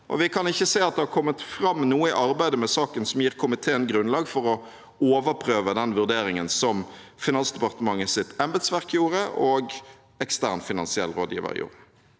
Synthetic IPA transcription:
ʔɔ̰ʋɪkʰɑnɪçːəseːɑt̪̚d̪ɛhɑʁkʰɔmːət̪fɾɑmːnuːəɪ̰ʔɑʁbæɪd̪əmɛsɑːkənsɔmjiːʁkʰʊmɪt̪ʰeːənɡɾʉnlɑːɡfɔʁɔ | oːʋəɾpʰʁøːʋəd̪ɛnʋʉʁd̪eːɾɪŋənsɔm | fɪnɑnsd̪ɛpɑʁt̪əmɑŋːəsɪt̪ɛmbɛd̪sʋæʁkjuːʁəʔoːɡ | ɛkst̪æːʁnfɪnɑnsɪɛ̰lːɾoːd̪jḭːʋə̰ʁ̰jṵːʁə

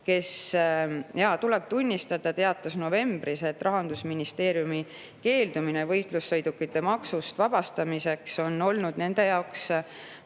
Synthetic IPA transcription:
ke̞s | jɑt̪ule̞b̥̚t̪unʲːist̪ɑd̪̥ɑt̪e̞ɑt̪ːˑɑsno̞ve̞mb̥rise̞t̪ːˑrɑɦɑnd̪̥usminist̪e̞ːɾjumi | ke̞ːld̪̥umine̞vɤ̞jt̪ˑlusːɤjd̪ukːit̪ːe̞mɑksust̪vɑb̥ɑst̪ɑmise̞kso̞no̞lnud̪̥ne̞nd̪̥e̞jɑoks

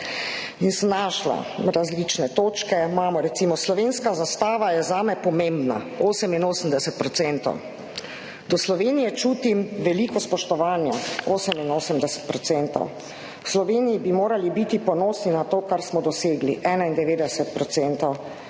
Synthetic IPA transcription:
insəmnaʃla̰ɾazlit͡ʃnɛt̪oːt͡ʃkɛmaːmɔɾɛt̪siːmɔslɔʋenskazast̪aːʋajɛzaːmɛpɔmembna̰ | oːsəminoːsəmd̪ɛsɛt̪̚pɾɔt̪sɛnt̪ɔ̰w | d̪ɔslɔʋeːnijɛt͡ʃuːt̪imʋɛlikɔspɔʃt̪ɔʋaːnjɛoːsəminoːsəmd̪ɛsɛ̥t̪̚pɾɔt̪sɛnt̪ɔ̰w | wslɔʋeːnijibimoːɾalibit̪ipɔnoːsninat̪oːkaɾsmɔd̪ɔseːɡliʔɛːnaind̪ɛʋeːd̪ɛsɛt̪̚pɾɔt̪sɛnt̪ɔw

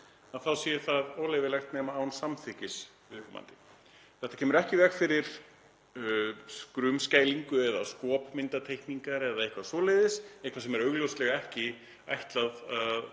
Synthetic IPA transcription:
aθawsjɛʏɾθaðoːwlejvɪɾlɛxt̪nɛːmaːwnsamθɪhcɪs | ɪkʏma̰nt̪ɪ̥ | θɛht̪ːacʰɛːmʏɾɛhcɪvɛxfɪɾɪɾ̥ | skɾʏmscaːjliŋkʏɛða̰skɔːpmɪnt̪at̪ʰejhkniŋkaɾɛðaɪhkvasvɔːlejðɪsɛehkvasɛmɛɾœɣlowslɛɣaɛhcɪ | a̰jht̪laðað

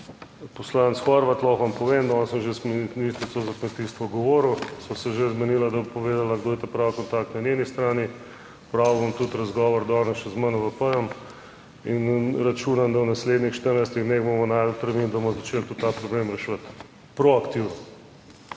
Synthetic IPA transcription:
pɔslant̪sxɔɾʋat̪lɔxʋampɔʋend̪aɔnsəmʒeskmnist̪ɾisozakmɛt̪ist̪ʋɔɡoʋɔːɾuwsɔsɛʒezmɛniːlad̪ɐbopoʋeːd̪alaɡd̪oːit̪ɛpɾaːwkɔnt̪akt̪nanʲenist̪ɾaːni | pɾaubɔmt̪ut̪ɾɐzɡɔːʋɔɾd̪ɔnɛʃɛzmənɔʋəpəjɔm | inɾɐt͡ʃuːnamd̪awnasleːd̪nixʃt̪əɾnajs̬t̪iɣd̪neːɣbomɔnajd̪əlt̪ɾmind̪amɔzɐt͡ʃelt̪ut̪ːapɾɔblemɾɛʃʋət̪ | pɾoakt̪iwnɔ

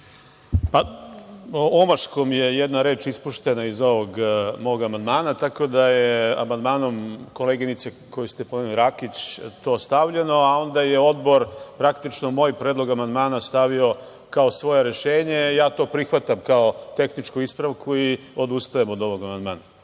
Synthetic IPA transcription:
pa | omaʃko̞mje̞jed̪naɾe̞ːt͡ʃispuʃt̪e̞naizo̞ʋoɡmo̞ʋoɡamand̪maːnat̪ako̞d̪ajea̰mand̪maːno̞mko̞leɡinit̪se | kojust̪epoeniliɾakit͡ɕt̪o̞ːst̪aʋʎe̞no̞ao̞nd̪aje̞o̞d̪bo̞ɾpɾakt̪it͡ʃno̞mo̞ːjpɾed̪lˠo̞ɡamand̪maːnast̪aʋio̞ | kao̞sʋo̞je̞ɾe̞ʃeːɲejaːt̪o̞ːpɾixʋat̪amkao̞t̪e̞xnit͡ʂkuispɾaʋkui | o̞d̪ust̪ajemod̪o̞ʋo̞ɡamand̪maːna

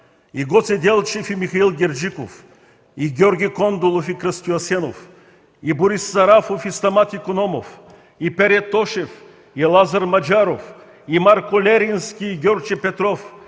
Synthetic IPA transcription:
iɡot̪sɛd̪ʲɛlˠt͡ʃɛfimixɐilˠɡʲɛɾd͡ʒiko̰f | iɡʲɔɾɡʲikɔnd̪olˠofikɾəst̪uɐsɛno̰f | iboɾisːɐɾafofist̪ɐmat̪ikonɔmof | ipɛɾɛt̪ːɔʃɛf | ilˠazɐɾmɐd͡ʒaɾof | imaɾkolʲɛɾinskʲiːɡʲɔɾt͡ʃipɛt̪ɾɔf

